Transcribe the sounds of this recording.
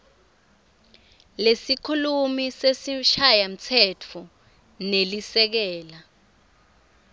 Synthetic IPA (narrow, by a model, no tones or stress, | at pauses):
lesikʰulumisesiʃajam̩t͡sʰɛtʰɔ | nelisɛk̬ɛːla